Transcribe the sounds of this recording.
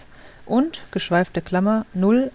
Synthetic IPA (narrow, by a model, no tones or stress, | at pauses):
ʔʊntɡ̥əʃv̥aɪftəkʰl̥amɐnʊl